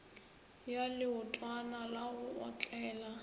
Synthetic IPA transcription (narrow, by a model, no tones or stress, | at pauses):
jalɪʊtʼwanalaʊɔt͡ɬʼɛːla